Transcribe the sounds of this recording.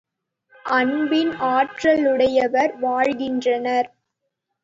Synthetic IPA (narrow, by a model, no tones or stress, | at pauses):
ʔɐnbɪnaːʈrɐlʊɽɐjɐʋɐɾʋaːɻɣɪndrɐnɐɾ